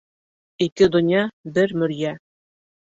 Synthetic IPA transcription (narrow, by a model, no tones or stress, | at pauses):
ikɘd̪ŏnʲjɑbɘɾmɵ̆ɾjæ